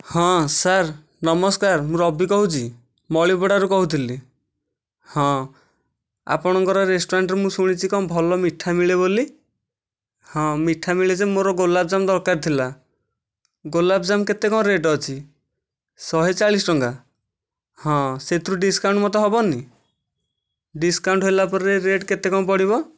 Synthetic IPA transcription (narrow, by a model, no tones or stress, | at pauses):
hɔ̃saɾ | nɔmɔskaɾmũɾɔbʱikɔɦut͡ʃʰi | mɔɭibɔɽaɾukɔɦut̪ʰili | hɔ̃ | a̰pɔɽ̃ɔŋkɔɾɔɾesʈoɾaɳʈɾemũsuɽ̃it͡ʃʰikɔ̃bʱɔlɔmiʈʰːamiɭeβoli | hɔ̃miʈʰːamiɭed͡ʒemoɾɔɡolab̚d͡ʒamɔd̪ɔɾkaɾt̪ʰila | ɡolabd͡ʒamket̪ekɔ̃ɾeʈɔt͡ʃʰi | sɔɦet͡ʃaɭisʈɔŋka | hɔ̃set̪ʰɾuɖiskaw̃ɳʈmɔt̪̬eɦɔbɔni | ɖiskawɳʈɦelapɔɾeɾeʈket̪ekɔ̃p̬ɔɽiβɔ